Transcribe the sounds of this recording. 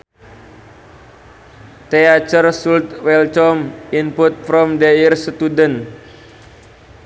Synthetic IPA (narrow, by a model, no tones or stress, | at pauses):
t̪eat͡ʃərsult̪wɛlt͡ʃɔminput̪̚fɾɔmdeirsət̪udən